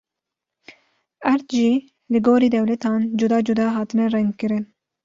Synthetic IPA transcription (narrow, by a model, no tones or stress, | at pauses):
ɛɾt̪ʒiː | lɨɡoːɾiːd̪ɛwlɛt̪ʰɑːnd͡ʒud̪ɑːd͡ʒud̪ɑːɦɑːt̪ɨnɛrɛŋɡ̪kɨɾɨn